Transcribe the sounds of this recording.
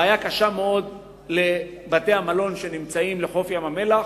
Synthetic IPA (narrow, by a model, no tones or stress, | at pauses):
ajakaʃameo̞d | le̞ | bate̞hamalo̞nʃe̞nimt͡saimleχo̞fjamame̞la